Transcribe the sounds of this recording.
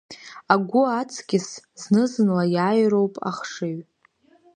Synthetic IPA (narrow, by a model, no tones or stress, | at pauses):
aɡʷʊat͡sʼʰɡʲɪsznɨzɨnlajaːjro̞wpʼa̰χʂɨɥ